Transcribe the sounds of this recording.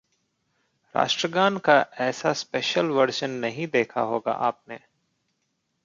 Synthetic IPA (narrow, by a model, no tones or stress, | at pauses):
ɾa̰ːʃʈɾəɡaːnkaʔɛːsaspeːʃəlʋɐɾʃənːɐɦĩd̪eːkʰa̰ɦoːɡa̰ʔaːp̚neː